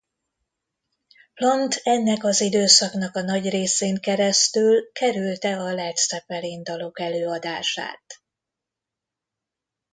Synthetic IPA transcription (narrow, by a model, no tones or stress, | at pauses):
plɒnt̪ʰɛnːɛkɒzid̪øːsɒknɒkɒnɒɟreːseːŋkɛɾɛst̪ylkɛɾylt̪ɛɒlɛt̪sɛpɛlind̪ɒlo̞kɛløːɒd̪aːʃa̰ːt̪